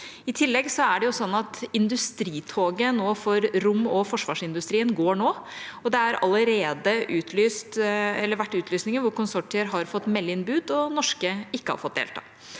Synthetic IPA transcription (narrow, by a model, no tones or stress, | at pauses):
ɪt̪ʰɪlːɛɡsɔæɖɛjʊsɔnːɑt̪ɪnd̪ʉst̪ɾiːt̪ʰoːɡənoːfɔɾɾʊmːɔfɔʂʋɑːʂɪnd̪ʉst̪ɾiːənɡoːɳoː | ɔd̪ɛæɾʔɑ̰ləɾeːd̪əʔʉːt̪ʰlyːst̪ɛlːəɾʋæʈːʉːt̪ʰlyːsnɪŋənʋʊɾkʊnsɔʈɪəɾɦɑɾfɔt̪ːmɛlːəɪnbʉːd̪ɔnɔʂkəɪkːəhɑ̰ɾfɔt̪̚d̪ḛːlt̪ʰɑ̰ː